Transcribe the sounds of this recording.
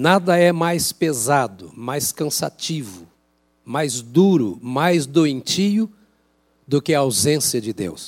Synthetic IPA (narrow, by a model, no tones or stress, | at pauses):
nad̪ɐɛmajspezad̪ʊmajskɐ̃sa̰t͡ʃivʊ | majzd̪uɾʊmajzd̪oẽnt͡ʃijʊ | d̪ʊkɪɐawzẽsiɐd͡ʒɪd̪ḛws